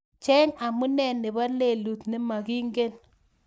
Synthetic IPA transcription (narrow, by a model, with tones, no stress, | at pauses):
t͡ʃɛ˦ŋa˨mu˦nɛ˦˨nɪ˨ba˦le˨lu˨tnɪ˦ma˨ki˦ŋɡe˦n